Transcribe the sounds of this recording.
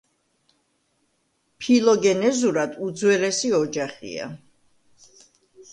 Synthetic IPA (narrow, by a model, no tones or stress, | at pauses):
pʰilˠɔɡɛnɛzuɾad̪ud̪zwɛɾɛsiɔd͡ʒaχḭa̰